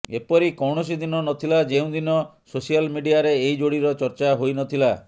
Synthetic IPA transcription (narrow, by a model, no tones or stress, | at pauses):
epɔɾikɔwɳ̃ɔs̬id̪inɔnɔt̪ʰilad͡ʒeũd̪inɔ | sosijalmiɖijaɾeːid͡ʒoɽiɾɔt͡ʃɔɾt͡ʃaɦojnɔt̪ʰila